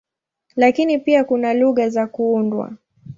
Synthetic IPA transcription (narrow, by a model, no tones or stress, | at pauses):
lakinipiakunaluɣazakuundwa̰